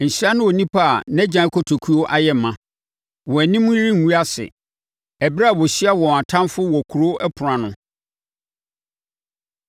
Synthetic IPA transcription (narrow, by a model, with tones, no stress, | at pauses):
n̩˨ɕɾa˦nʊ̃˦wɔ˨nĩ˦pʰa̰˦˨nɛ̃˦d͡ʑã˨˦kʰɔ˦tʰo˨kʰu˦o˦ʔa˦jɛ˦˨mã˨ | wɔ̃˨æ˨nĩ˦mʊ̃˦ɾĩ˦ŋ˨wu˦a˦sɪ̰˨ | ɛ˨bɾa˦a˨wɔ˨ɕi˦a˦wɔ̃˨a˨tʰã˦nfʊ˦wɔ˨kʰu˨ɾo˦ʔɛ˦pʰʊ˨ɾã˨nʊ̃˨